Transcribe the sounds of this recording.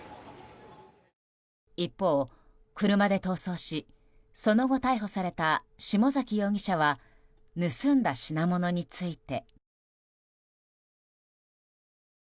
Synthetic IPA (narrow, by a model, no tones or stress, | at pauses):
ipːo̞ː | kɯ̟ɾɯ̟mad̪e̞t̪o̞ːso̞ːɕi | so̞no̞ɡo̞t̪aiɦo̞saɾe̞t̪aɕimo̞zakʲijo̞ːɡʲiɕaβ̞a | nɯsɨ̃nd̪aɕinamo̞no̞ɲ̟it͡sɨit̪e̞